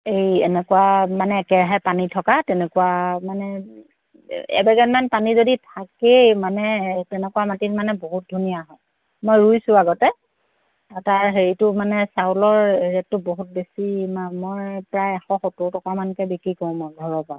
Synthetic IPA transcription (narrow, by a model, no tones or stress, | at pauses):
ejɛnɛkuwamanɛːkɛɹaɦɛpanitʰɔkatɛnɛkuwamanɛ | ɛ̰bɛɡɛnmanpanizoditʰakejmanɛtɛnɛkuwamatitmanɛboɦut̚dʱunijaɦɔj | mojɹujsʊaɡɔtɛ | ataɹɦeɹitʊmanɛsawlɔɹeɹɛttʊboɦut̚besimamɔjpɹajɛxɔxɔtʊtɔkamankɛbikɹikɔ̃mɔdʱɔɹɔpa